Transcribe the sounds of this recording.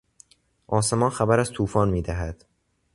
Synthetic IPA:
ʔɒːse̞mɒːnxæbæɾæz̥t̪ʰuːfɒːnmiːd̪æɦæd̪̥

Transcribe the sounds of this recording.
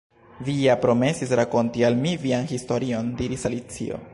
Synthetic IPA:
vijapɾo̞me̞sisɾako̞ntialmivianhisto̞ɾio̞ndiɾisalit͡sḭo̞̰

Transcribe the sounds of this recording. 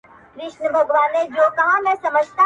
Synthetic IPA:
kɾɪʃnəbʱɐɡʋaːned͡ʒoːkɐɦãmɛ̃sɐməd͡ʒʱt̪a

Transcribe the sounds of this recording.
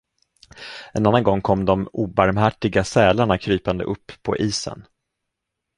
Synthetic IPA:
ɛnanːanɡɔŋːkʰɔmːd̪ɔmuːbaɾmhæʈːɪɡasɛːlaɳakʰɾyːpand̪ə̰ʔɵpːʰɔ̰ʔiːsə̰n

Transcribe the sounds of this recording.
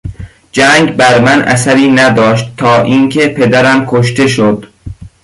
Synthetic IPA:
d͡ʒæŋɡbæɾmænʔæ̰sæɾiːnæd̪ɒːʃt̪ʰːɒːʔiŋkʰe̞pʰe̞d̪æɾæmkʰoʃt̪e̞ʃod̪

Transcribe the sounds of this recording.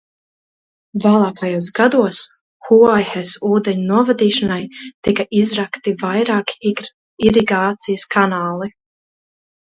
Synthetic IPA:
vaːlˠɑːkajuːsɡad̪uɔs | huajxesuːd̪eɲunuɔvad̪iːʃanajt̪ikaʔizɾakt̪ivajɾaːkiɡɾ | iɾiɡaːt̪sijəskʰanaːlˠi

